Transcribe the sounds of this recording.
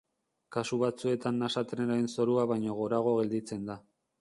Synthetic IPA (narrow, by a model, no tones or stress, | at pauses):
kasuβ̞at͡sue̞t̪anːasat̪ɾenaenso̞ɾuaβajɲo̞ɣ̞o̞ɾaɣ̞o̞ɣe̞ld̪it͡se̞nd̪a